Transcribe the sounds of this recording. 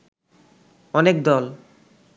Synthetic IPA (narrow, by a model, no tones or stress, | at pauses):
ɔnekd̪ɔl